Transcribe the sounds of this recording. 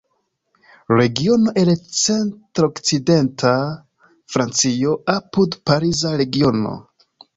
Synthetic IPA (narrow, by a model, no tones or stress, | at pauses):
ɾe̞ɡio̞no̞ʔelt͡se̞ntɾo̞kt͡side̞ntʰa | fɾant͡sio̞apudpaɾizaɾe̞ɡio̞no̞̰